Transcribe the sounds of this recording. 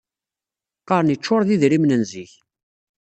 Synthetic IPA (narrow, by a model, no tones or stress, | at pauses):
qːɑɾnit͡ʃːʊɾˤðiðɾimnənziç